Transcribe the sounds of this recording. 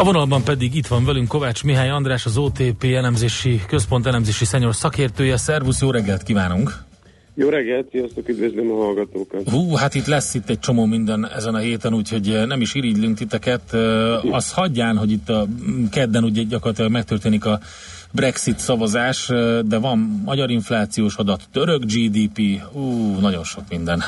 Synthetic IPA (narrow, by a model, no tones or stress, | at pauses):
ɒvonɒlbɒmpɛd̪iɡit̪ʋɒɱvɛlyŋkko̞vaːt͡ʃmiɦaːjɒnd̪raːʃɒzoːt̪eːpeːɛlɛmzeːʃikøspo̞nt̪ɛlɛmzeːʃisɛɲorsɒkeːrt̪øːjɛsɛrvusjoːɾɛɡːɛlt̪kivaːnuŋk | joːɾɛɡːɛlt̪siɔst̪okyd̪vøzleːmɒɦɒlɡɒt̪oːkɒt̪ɦuːhat̪it̪lɛsːit̪ːɛc̚t͡ʃo̞moːmind̪ɛnɛ̰zɛnɒɦeːt̪ɛnuːcho̞ɟnɛmiʃiːɾiɟlyŋk̚t̪it̪ɛkɛt̪ːɒshɒɟːaːnɦo̞ɟit̪ːɒkɛd̪ːɛnuɟɛɟɒkorlɒt̪ilɒɡmɛkt̪ørt̪eːnikɒ | brɛksit̪sɒvɒzaːʃd̪ɛvɒmːɒɟɒɾiɱflaːt̪sijoːʃɒd̪ɒt̪ːøɾøɡd͡ʒiːd̪iːpiːuːnɒɟo̞nʃo̞kmind̪ɛn